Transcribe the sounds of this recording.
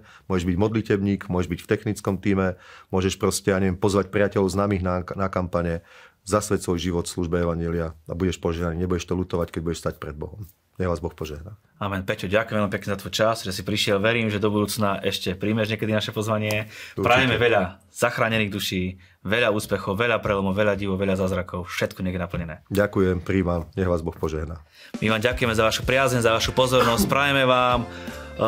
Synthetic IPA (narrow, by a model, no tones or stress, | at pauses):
mʊɔʒɛʒbiɟmɔd̪licɛbɲiːɡmʊwɔɛʒbicft̪ɛxnit͡skɔmt̪iːmɛmʊɔʒɛʃpɾɔscɛjaːɲɛʋjɛmpɔzʋacpɾiɪacɛlɔʊznaːmiːɣnanakampaɲɛzasʋɛcsʋɔjʒiʋɔt̪fsluʒbɛɛʋaɲɪɛliaabuɟɛʃpɔʒɛɦnaniɲɛbuɟɛʃt̪ɔluːt̪ɔʋackɛɟ̚buɟɛʃst̪ac̚pɾɛd̪̚bɔɦɔm | ɲɛʋaːzbɔxpɔʒɛɦna | amɛnpɛcuɟakujɛmɛlmipɛkɲɛzat̪ʋɔjt͡ʃasʒɛsipɾiʃɪɛlʋɛɾiːmʒɛd̪ɔbud̪uːt͡snaʔɛʃcɛpɾiːmɛʒɲɛkɛd̪inaʃɛpɔzʋaɲɪɛpɾaʋjɛmɛʋɛʎa | z̥axɾaːɲɛniːɣd̪uʃiː | ʋɛʎauːspɛxɔʊʋɛʎapɾɛlɔmɔʋɛʎaɟiʋɔʋɛʎazaːzɾakɔʊfʃɛt̪kɔɲɛɡjɛnapl̩ɲɛnɛːɟakujɛmpɾiːʋamɲɛɣʋaːzbɔxpɔʒɛɦna | miʋaːmɟakujɛmɛzaʋaʃupɾɪazɲɛɲzaʋaʃupɔzɔɾnɔsc̚pɾaʋɛmɛʋaːm